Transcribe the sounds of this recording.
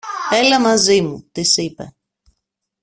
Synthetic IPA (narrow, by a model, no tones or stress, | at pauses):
elɐmɐzimut̪isipḛ